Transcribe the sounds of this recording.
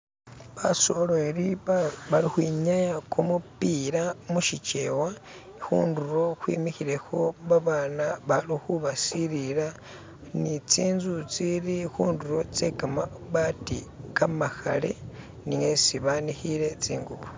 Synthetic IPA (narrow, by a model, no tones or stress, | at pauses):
βaso̞loɾiβalixwiːɲajakʰumupiːɾamuʃit͡ʃe̞wa | xṵːnduɾo̞xwḭːmixiɾe̞xo̞βaβaːnaβalixuβasiɾiɾa | nit͡siːnzut͡siɾixuːnduɾo̞t͡se̞kamaβatḭkamaxa̰le̞̰ | niesiβanixiɾe̞t͡siːŋɡuβo